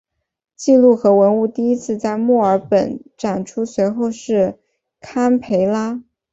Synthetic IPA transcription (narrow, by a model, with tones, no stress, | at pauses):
t͡ɕi˥˧lu˥˩xɤ˧˥wə˧˥nu˥˧t̪i˥˩i˥t͡sʰɹ̩˥˧t͡sa˥˧ɪmɔ˥˩ə˞˧˥pə˨˩nʈ͡ʂa˨˩nʈ͡ʂʰu˥swe˧˥ɪxo˥˧ʊʂɻ̩˥˩ | kʰa˥npʰe˧˥ɪla˥